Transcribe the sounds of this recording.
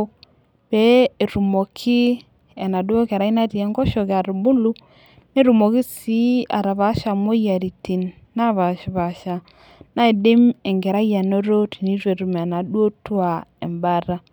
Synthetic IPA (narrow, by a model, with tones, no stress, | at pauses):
b̥e˨˦e˨ɾu˨mo˨kʰɪ˦ | e˨na˨du˦o˦ka˨ɾa˨˦i˦na˦ti˨e˨˦ŋɡɔ˦ʃo˨ka˨ɾu˨bʊ˦lu˦ | ne˦ɾu˨mo˨kɪ˦si˦a̰˨ɾa˨βa˦ʃa˨mo˦ja˨ɾi˨ti˨nː | a˦˨βa˨ʃi˨βa˨ʃa˨ | na˦e˨dɪ˦me˨ŋɡɛ˨ɾa˦ja˨no˦ɾo˦ti˨ni˦te˨ɾu˨me˨na˨do˦twa˨e˨mba˦ɾa˦